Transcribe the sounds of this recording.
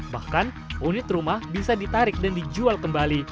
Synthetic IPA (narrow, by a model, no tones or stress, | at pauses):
bahkan | ʔunɪt̪rumahbisadit̪aɾɪk̚dandid͡ʒualkəmbali